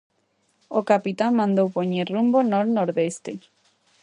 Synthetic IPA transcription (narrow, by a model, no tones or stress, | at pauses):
okapit̪aŋmãnd̪owpoɲerumbonoɾnoɾðest̪e